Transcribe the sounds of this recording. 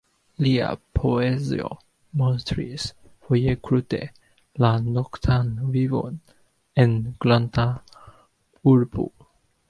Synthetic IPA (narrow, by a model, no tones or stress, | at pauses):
lia̰pʰoɛzḭo̰ | mɔ̃nstʰɹḭs | fɔjekʰɹutḛ | lanɔkt̪ʰanwivɔ̰̃n | ɛ̃nɡ̥lãnt̪ʰa | uɹpʰṵl